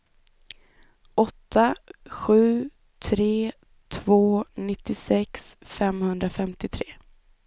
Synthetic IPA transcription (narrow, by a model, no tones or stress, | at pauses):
ʔɔt̪ʰːaɧʉ̟ː | t̪ʰɾeː | t̪ʰvoːnɪt̪ːɪsɛksfɛmhɵnd̪ɾafɛmt̪ɪt̪ʰɾeː